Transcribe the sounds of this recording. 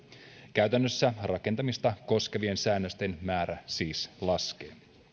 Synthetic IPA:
kæɥt̪ænːøsːærɑke̞nt̪ɑmist̪ɑko̞ske̞ʋie̞nsæːnːøst̪e̞nmæːɾæsiːslɑsk̟e̞̰ː

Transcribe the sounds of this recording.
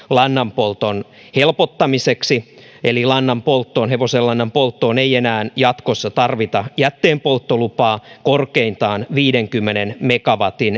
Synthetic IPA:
lɑnːɑmpolt̪on | helpot̪ːɑmiseksi | elilɑnːɑmpolt̪ːoːnɦeʋoselːɑnːɑmpolt̪ːoːneienæːnjɑt̪kosːɑt̪ɑrʋit̪ɑjæt̪ːeːmpolt̪ːolupɑːkorkeint̪ɑːnʋiːdeŋkymːenenmekɑʋɑt̪in

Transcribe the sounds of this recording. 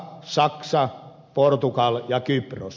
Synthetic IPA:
sɑksɑ | port̪ukɑljɑkypro̰s

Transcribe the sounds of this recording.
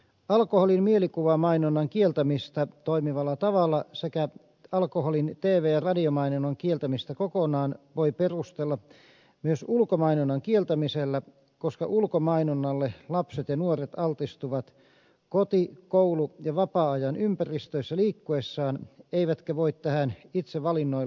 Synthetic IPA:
ɑlkoholinmielikuʋɑmɑinonːɑŋkielt̪æmist̪ɑt̪oimiʋɑlːɑt̪ɑʋɑlːɑsekæ | ɑlkoholint̪eːʋeːjɑrɑdiomɑinonɑŋkielt̪æmist̪ɑkokonɑːnʋoiperust̪elːɑ | myøsulkomɑinonːɑŋkielt̪æmiselːæ | koskɑ̰ʔulkomɑinonːɑlːelɑpset̪jɑnuoret̪ɑlt̪ist̪uʋɑt̪ | kot̪ikoulujɑʋɑpɑːɑjɑnympærist̪øisːɑliːkːuesːɑːneiʋæt̪kæʋoit̪t̪æhænit̪seʋɑlinːoi

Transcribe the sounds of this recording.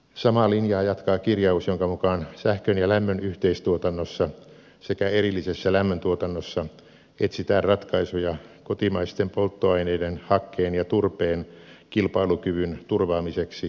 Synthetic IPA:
sɑmɑlinjɑːjɑt̪kɑːkirjɑusjoŋkɑmukɑːnsæhkønjɑlæmːønyht̪eist̪uot̪ɑnːosːɑ | sekæerilːisesːælæmːønt̪uot̪ɑnːosːɑ | et̪sit̪æːrrɑt̪kɑisujɑkot̪imɑist̪empolt̪ːoɑineidenhɑkːeːnjɑt̪urpeːnkilpɑilukyʋynt̪urʋɑːmiseksi

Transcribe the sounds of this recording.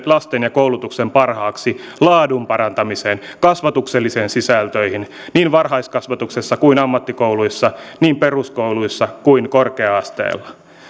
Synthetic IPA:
lɑst̪enjɑkoulut̪uksempɑrhɑːksi | lɑːdumpɑɾɑnt̪ɑmiseːnkɑsʋɑt̪ukselːiseːnsisælt̪øihin | niːnʋɑrhɑiskɑsʋɑt̪uksesːɑkuinɑmːɑt̪ːikouluisːɑniːmperuskouluisːɑkuiŋkorkeɑɑst̪ḛːlːɑ̥

